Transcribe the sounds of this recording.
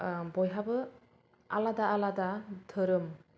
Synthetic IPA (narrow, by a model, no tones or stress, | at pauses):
bɔjɦabɯ | a̰ladaːladadʰɯɾɯm